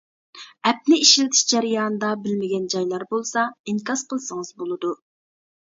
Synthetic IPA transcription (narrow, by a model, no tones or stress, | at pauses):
ɛp̚nɪiʃilɪt̪ʰɪ̥ʃd͡ʒæɾijɑːnɨd̪ɑbɪlmɪɡʲɛnd͡ʒɑjlˠɑɾbolˠsɑiŋkʰɑsqʰəlˠsəŋəzbolˠɨd̪u